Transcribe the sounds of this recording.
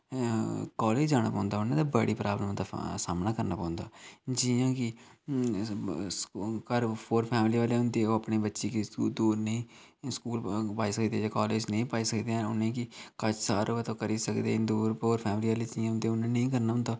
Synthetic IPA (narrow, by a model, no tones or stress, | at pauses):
kɔːleːd͡ʒd͡ʒaːɽ̃a̰ːpãːnd̪aːʊnːẽːd̪abəɽiːpɾaːbləm̃ːd̪asaːmnaːkəɾnaːpãːnd̪a̰ːd͡ʒiãːkɪ | skəɾpʰoːɾpʰɛːmliːʋaːleːɦʊ̃nd̪eːoːapneːbətːʃeːkiːd̪uːɾnəĩː | skuːlpaːiːsəkd̪ẽːd͡ʒaːkɔːleːd͡ʒnəĩːpaːiːsəkd̪eːɛ̃ːʊnːẽːkɪkət͡ʃʰsaːɾoət̪õːkəɾiːsəkd̪ḛ̃ːd̪uːɾpoːɾpʰɛːmɪliːʋaːleːd͡ʒiãːnd̪eːʊnãːnəĩːkəɾnaːʊ̃nd̪aː